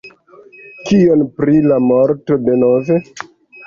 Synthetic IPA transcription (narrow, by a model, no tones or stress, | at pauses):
kio̞npɾilamoɾto̞de̞nove